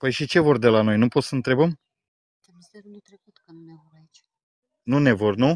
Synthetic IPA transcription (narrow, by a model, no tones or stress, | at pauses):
pəjʃit͡ʃe̞vo̞rd̪e̞lano̞jnupo̞t̪səɨnt̪ɾe̞bəm | t̪emseɾnut̪ɾekut̪kənunevoɾait͡ʃ | nune̞vo̞rnu